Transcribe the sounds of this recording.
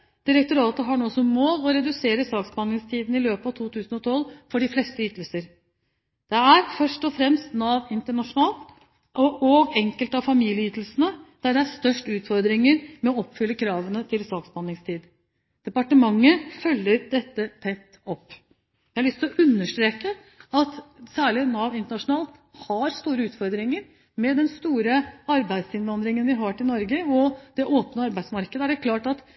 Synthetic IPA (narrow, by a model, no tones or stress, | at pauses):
d̪̥ɪɾəkt̪ʊɾɑːt̪əɦɑɳoːsɔmoːlɔɾɛd̪ʉseːɾəsɑːksbɑnɪŋst̪ʰiːd̪n̩ɪløːpɑʋt̪ʰuːt̪ʰʉːsnɔt̪ʰɔlːfɔɖɪflɛst̪əʏːt̪l̩səɾ | d̪̥ɛæɾfœʂʈɔfɾɛmst̪nɑːʋɪnt̪əɳɑʂʊnɑːlt̪ | ʔɔʔɔɡɛŋkəlt̪ɑʋfɑmiːljəyːt̪əl̩sənəd̪̥æɖɛæɾst̪œʂʈʉːt̪fɔɾd̪ɾɪŋəɾmɛɔɔpːfʏlːəkʰɾɑːʋənət̪ʰɪlsɑːksbɑnɪŋst̪ʰiːd̪ | d̪̥ɛpɑʈəmɑŋːəfœlːəɾd̪̥ɛt̪ːət̪ʰɛt̪ːɔpː | ʋæhɑlʏst̪ɪlɔʔʉnːəʂʈ̪ɾeːkə | ɑt̪sæːɭɪnɑʋɪnt̪əɳɑʂʊnɑːlt̪ | hɑɾst̪uːɾəʉːt̪fɔɾd̪ɾɪŋəɾ | mɛd̪ɛnst̪uːɾəɑɾbæɪd̪sɪnʋɑnd̪ɾɪŋənʋɪɦɑʈɪlnɔɾɡəɔd̪̥ɛʔoːpnəɑɾbæɪsmɑɾkəd̪əæɖɛkʰlɑːʈɑt̪